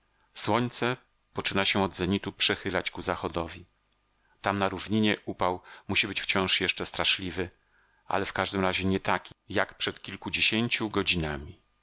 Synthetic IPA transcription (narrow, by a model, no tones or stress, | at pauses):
swɔɲʲt̪sɛ | pɔt͡ʂɘnaɕɛɔd̪zɛɲit̪upʂɛxɘlat͡ɕkuzaxɔd̪ɔvʲi | t̪amnaɾuvɲiɲɛʔupawmuɕibɘt͡ɕft͡ɕɔ̃w̃ʂjɛʂt͡ʂɛst̪ɾaʂlʲivɘ | ʔa̰lɛfkaʐd̪ɘmɾaʑɛɲɛt̪akʲijakpʂɛt̪kʲilkud͡ʑeɕeɲt͡ɕuɡɔd͡ʑinamʲi